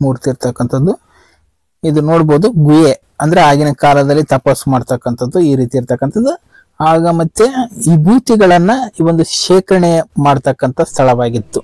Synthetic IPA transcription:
muːɾt̪iːɾt̪ɐkːɐnt̪ʰɐd̪ːu | id̪unoːɽboːd̪uɡuje | ɐnd̪ɐɾeaːɡinɐkaːlɐd̪ɐlːit̪ɐpɐsmaːɖt̪ɐkːɐnt̪ʰɐd̪ːuiːɾiːt̪iːɾt̪ɐkːɐnt̪ɐd̪ːu | aːɡɐmɐt̪ːeibʱuːt̪iɡɐɭɐnːɐiʋo̞nd̪uʃeːkɾɐɳemaːɖt̪ɐkːɐnt̪ɐst̪ʰɐɭɐʋaːɡit̪ːu

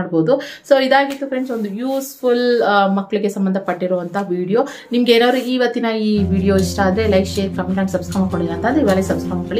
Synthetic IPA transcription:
ɽboːd̪uso̞ːid̪aːɡit̪ːufɾeɳso̞nd̪ujuːsfulmɐkːɐɭiɡe̞sɐmbɐnd̪ʱɐpɐʈːiɾɔːʋɐnt̪ʰɐʋiːɽijo̞ː | nimɐɡeeːnaːʋɐɾuiːʋɐt̪ːinɐiːʋiːɽijo̞ːiʂʈaːd̪ɾelɐjkʂeːɾkɐmeɳʈaːɳʈsɐbskɾɐmːakoɳiinɐːnt̪ʰɐnd̪uiʋaːlesɐbskɾɐmakːoɭi

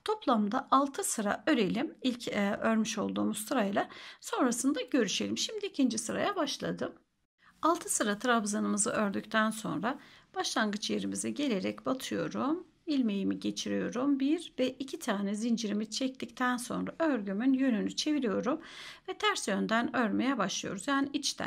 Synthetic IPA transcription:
t̪ʰo̞plˠamd̪aʔalˠt̪ʰɯsɯɾa̰ø̞ɾe̞lʲimilʲcʰøɾmyʃo̞lˠd̪uːmuz̥sɯɾajlˠaso̞nɾasɯnd̪aɟø̞ɾyʃe̞lʲimʃimd̪iːcʰind͡ʒisɯɾa̰jabaʃlˠa̰d̪ɯm | alˠt̪ʰɯsɯɾat̪ʰɾabzanɯmɯzɯʔø̞ɾd̪yct̪ʰænso̞̰nɾab̥aʃlˠanɡɯt͡ʃje̞ɾimizɛɟe̞lʲe̞ɾɛcbat̪ʰɯjo̞̰ɾum | ilʲme̞jimiɟe̞t͡ʃʰiɾijo̞ɾumbiɾvɛʔicʰit̪ʰaːnɛzind͡ʒiɾimit͡ʃʰɛc̚t̪ict̪ʰænso̞̰nɾaʔøɾɟymynjø̞nynyt͡ʃʰe̞viɾijo̞ɾumvɛt̪ʰæɾsjønd̪ænøɾme̞jɛbaʃlˠɯjo̞ɾuzjaːniʔit͡ʃt̪ʰæ̰

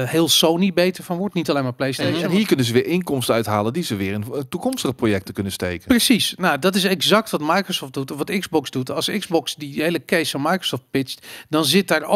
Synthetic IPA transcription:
hɪːlˠsownibejtəɹfɔnʋɔɹtnitalejnmaːɹplejsenɦiːɹkɵnənzəʋɪːɹɪŋkɔmstəœɥtɦaːləndizəʋɪːɹɪntukɔmstəχəprojɛk̚təkɵnənstḛjkəprəsisnadɔtɪs̬ɛɡzɑk̚tʋɑtmajkrosɔːfdutʋɑtɪɡzbɔksdutʰɑlˠsɪɡzbɔksdiɦejləkesfɔnmajkro̥sɔft̚pɪt͡ʃtdɔnzɪt̚daːɹo

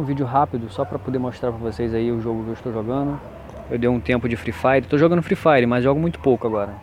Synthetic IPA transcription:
ũvid͡ʒʊɦapid̪ʊsɔpɾɐpod̪eɾmoʃt̪ɾaɾpɐɾɐvosejzaiʊʒoɡʊkɪewiʃt̪owʒoɡɐ̃nd̪ʊ | ewd̪ewũt̪ẽmpʊd͡ʒɪfɾifajd͡ʒɪet̪owʒoɡɐ̃nʊfɾifajɾɪmɐzʒɔɡʊmũj̃t̪ʊ̥powkʊaɡɔɾɐ

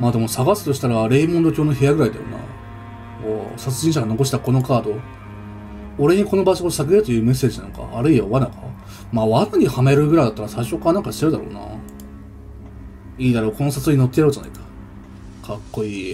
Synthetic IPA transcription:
maːd̪e̞mo̞saɡasɨ̥t̪o̞ɕi̥t̪aɾaɾe̞ːimõnd̪o̞kʲoːno̞ɦe̞jaɡɯ̟ɾaid̪a̰jo̰na̰ | osat͡sɨʑĩɕaɡano̞ko̞ɕ̬i̥t̪ako̞no̞kaːd̪o̞ | o̞ɾe̞ɲ̟iko̞no̞baɕoosaɡeɾɯ̟t̪o̞jɯ̟ːme̞sːe̞ːʑinã̰ŋka̰ʔːɾɯ̟iaβanaka̰ | maːβakɯɲ̟ihame̞ɾɯ̟ɡɯ̟ɾaid̪at̪ːaɾasaiɕo̞kːaɾanãŋkaɕi̥t̪e̞ɾɯ̟d̪a̰ɾo̰ːna̰ | iːd̪aɾo̞ːko̞no̞sat͡sɨoɲ̟ino̞t̪ːejaɯ̟d͡ʑana̰ikḁ | kʰakːo̞iː

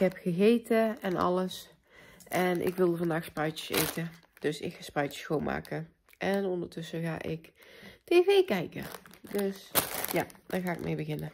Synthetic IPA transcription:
ɦɛpxəɣeːtəɛnɑ̰ləs | ʔɛnʔɪ̰kʋɪlˠdəvɑndaːxsprœɥtə̥sḛjtə | d̥øsɪ̰kxaːsprœɥtə̥swoːnma̰ːkə | ʔɛnɔndəɹtɵsəɣa̰ːʔɪkteːveːkɛjkə̰døsjad̥aɣaːɪk̚mʔḛjbəɣɪnə

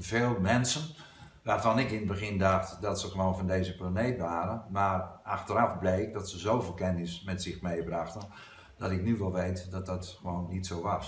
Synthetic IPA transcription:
veːlˠmɛnsən | ʋaːrvɑnɪkɪnəbəɣɪndɑxtdɔtsəɣəʋoːnvɔndejzəplanejtʋaːɾənmaːraxtəɾɑfblejk̚dɔtsəzowvɪːlˠkɛnɪsmɛtsɪxmejbraxtən | d̥ɔtɪknyʋɛlˠʋejtdɔt̚dɔtxəʋoːnːitsowʋɑs

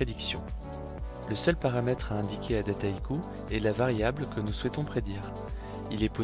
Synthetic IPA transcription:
ed̪iksjɔ̃ | ləsœlpaʁamɛt̪χaɛ̃d̪ikʲʰead̪at̪aikʰu | ɛlavaʁjablkənuswɛt̪ɔ̃pχed̪iːʁ | ilɛpo

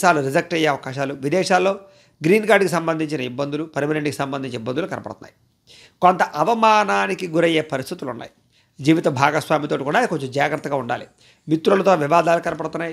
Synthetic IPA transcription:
aːluɾid͡ʒɐk̚ʈɐjeɐʋɐkaːʃaːluʋid̪ɛːʂaːlːo̞ː | ɡɾiːnkaːɖkisɐmbɐnd̪ʱiɲt͡ʃinɐibːɐnd̪ulupɐɾmineɳʈkisɐmbɐnd̪ʱiɲt͡ʃɐibːɐnd̪ulukɐnɐpɐ̰ɽt̪unːa̰ːji | ko̞nt̪ɐʔɐʋɐmaːnaːnikiɡuɾɐjeːpɐɾist̪ʰit̪ulunːa̰ːji | d͡ʒiːʋit̪ɐbʱaːɡɐsʋaːmit̪oːʈikuːɽaːkoɲt͡ʃomd͡ʒaːɡɾɐt̪ːɐɡaːuɳɖa̰ːlḭ | mit̪ɾulɐt̪oːʋiʋaːd̪aːlukɐnɐpɐɽt̪unːaːj

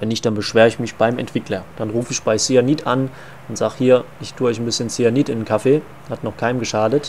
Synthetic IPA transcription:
vɛnːɪçtd̥anbəʃv̥eːʁəɪçmɪçb̥aɪmʔɛ̰ntv̥ɪklɐd̥anʁuːfəɪçb̥aɪsianitʰan | ʊntz̥aːxhiːɐʔɪçtʰuːɐɔʏçn̩bɪsçənsianitɪnnkʰafeː | hatnɔχkʰaɪnmɡəʃaːdət

